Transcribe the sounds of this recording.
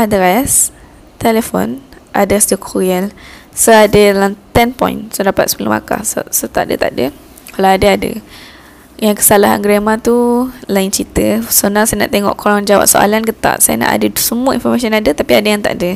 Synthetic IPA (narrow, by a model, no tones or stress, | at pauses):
ʔadəɾas | t̪elefɔ̰n | ʔadəsdəkʰɔɾiəlsoadəlaŋt̪ɛnpɔ̰jnsodapa̰t̪̚spula̰ma̰ka̰hssot̪a̰ʔdə̰t̪a̰ʔdə | kalawadəadə̰ | jaŋkə̥salaɦa̰nɡɾemat̪ulaɪnt͡ʃit̪əsonaŋsajana̰ʔt̪eŋɔ̰ʔkʰoɾaŋd͡ʒawa̰ʔso̰a̰lanɡət̪a̰ʔsaja̰na̰ʔa̰dəsəmuəḭnfɔrmas̬iɔnadət̪apiadəjaŋt̪a̰ʔdə